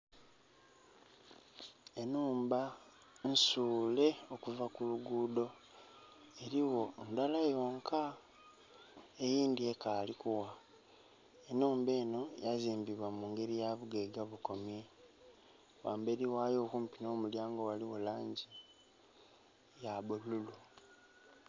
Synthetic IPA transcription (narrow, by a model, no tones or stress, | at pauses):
e̞nuːmba | nsuːle̞o̞kuvakuluɡuːdo̞ | e̞ɾiwo̞ndalajo̞ːŋkʰa | ejiːndiekalikuwa | enuːmbe̞ːno̞jaziːmbiβwamuːŋɡe̞ɾijaβuɡe̞ɡaβuko̞mje̞ | waːmbe̞ɾiwaːjo̞kuːmpino̞ːmuljaːŋɡo̞waliwolaːɲɟi | jaβolulu